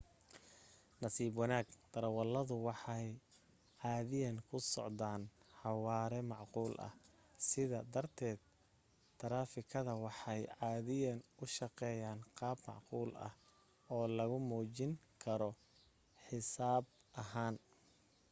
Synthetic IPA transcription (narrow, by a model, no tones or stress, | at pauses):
nɐsiːbwɑnaːɡt̪ɐɾɐwɐlːɐðʊwɑħɑj | ʕɑːðɪjɐnkʰʊsɔ̰ʕd̪aːnħɑwaːɾɛmɑʕquːlʔɐ̰h | sɪðɐd̪ɐrt̪ʰɛːd̪̚ | t̪ʰːɐɾaːfɪkʰɐðɐwɑħɑjʕɑːðɪjɐnʊʃɑqɛːjaːnqɑːbmɑ̰ʕquːlɐ̰h | ɔːlɐɣʊmuːt͡ʃɪŋkʰɐɾɔ | ħɪsaːbʔɐɦaːn